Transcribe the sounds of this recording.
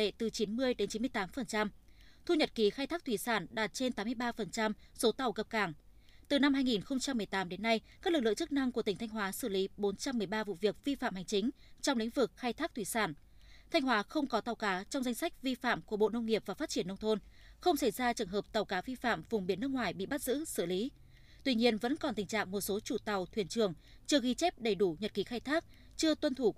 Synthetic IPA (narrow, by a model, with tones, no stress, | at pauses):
ḛ˧˨t̪ɨ˨˩t͡ɕi˨˦nmɨ˧əjɗe˨˦nt͡ɕi˨˦nmɨ˧əjt̪aː˨˦mfə˨˩nt͡ɕa˧mt̪ʰu˧ɲə˨˩t̚ki˨˩xaː˧jt̪ʰaː˦˥k̚t̪ʰwi˧˩saː˧˩nɗaː˨˩t̚t͡ɕe˧nt̪aː˨˦mɨ˧əjɓaː˧fə˨˩nt͡ɕa˧mso˨˦t̪a˨˩wkə˨˩p̚kaː˧˩ŋt̪ɨ˨˩na˧mɦaː˧jŋi˨˩nxə˧wŋ͡mt͡ɕa˧mːɨ˨˩əjt̪aː˨˦mɗe˨˦nːa˧jkaː˦˥lɨ˨˩k̚lɨ̰˧˨ŋt͡ɕɨ˦˥k̚na˧ŋkət̪ï̟˩a˧ŋ̟ɦwaː˨˦sɨ˧˩li˨˦ɓo˨˦nt͡ɕa˧mːɨ˨˩əjɓaː˧vṵ˧˨vi˨˩ək̚vi˧fa̰ː˧˨mha˨˩jŋ̟t͡ɕï˨˦ŋ̟ | t͡ɕɔ˧ŋ͡mlḭ˧˥ŋ̟vɨ˨˩k̚xaː˧jt̪ʰaː˦˥t̪ʰwi˧˩saː˧˩n | t̪ʰa˧jŋ̟hwaː˨˦xə˧wŋ͡mkɔ˨˦t̪a˨˩wkaː˨˦t͡ɕɔ˧wŋ͡mza˧jŋ̟sa˦˥jk̟̚vi˧fa̰ː˧˨mku˧˩əɓo̰˧˨nə˧wŋ͡mŋi˨˩əp̚vaː˨˩faː˦˥t̚t͡ɕi˧˩ənːə˧wŋ͡mt̪ʰo˧nxə˧wŋ͡msa˧˩jzaː˧t͡ɕɨ˨˩əŋɦəː˨˩p̚t̪a˨˩wkaː˨˦vi˧fa̰ː˧˨mvʊ˨˩ŋ͡mɓi˧˩ənːɨ˦˥kŋwaː˨˩jɓḭ˧˨ɓa˦˥t̚zɨ̰˧˥sɨ̰˧˩li˨˦ | t̪wi˧ɲi˧ənvə̰˧˥nkɔ˨˩nt̪ï̟˨˩t͡ɕa̰ː˧˨ŋmo˨˩t̚so˨˦t͡ɕu˧˩t̪a˨˩wt̪ʰwi˧˩ənt͡ɕɨ˨˩əŋ | t͡ɕɨ˧əɣi˧t͡ɕɛ˦˥p̚ɗə˨˧˩jɗu˧˩ɲə˨˩t̚ki˨˦xaː˧jt̪ʰaː˦˥k̚ | t͡ɕɨ˧ət̪wə˧nt̪ʰu˧˩